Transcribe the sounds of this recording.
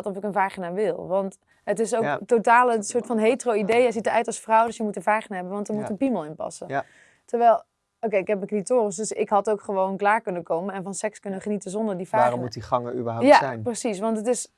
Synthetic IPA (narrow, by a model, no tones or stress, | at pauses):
tɔfɪkənvaːχinaːʋɪlˠʋɑnt | ətɪsowktotaːləsʊːɹtfɑnɦejtroidejɛsitəœɥtɑlˠsfrɔwdøsjəmutənvaːχinaɦɛbənʋɑntəɹmutənpiməlˠɪnpɑ̰sə | təɹʋɛjlˠ | okejɪkɦɛpənklitoːrəsdøsɪkɦɑtowkχəʋownklaːɹkɵnəkowmənɛnvɑnsɛkskɵnəχənitəzɔndəɹdivaːaɔmutiχɑŋəybəɦajajnprəsisʋɑntətɪs